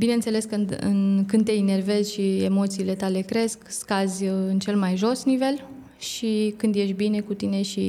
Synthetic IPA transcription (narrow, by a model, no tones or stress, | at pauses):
bine̞nt̪se̞le̞skɨnd̪ɨ̰nkɨnd̪t̪eine̞rve̞zʲʃiemo̞t̪siːle̞t̪ale̞kɾe̞skskazʲɨnt͡ʃe̞lmajʒo̞snive̞l | ʃikɨnd̪je̞ʃ̬t̪bine̞kut̪ine̞ʃi